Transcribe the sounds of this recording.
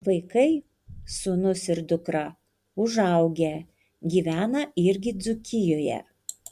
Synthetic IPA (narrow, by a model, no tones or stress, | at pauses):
ʋɐɪkɐɪ | suːnʊsɪɾd̪ʊkɾɐ | ʊʒɐˑʊɡʲe | ɡʲiːʋʲæːnɐɪɾʲɡʲɪd̪zʊkʲɪjoːjɛ̰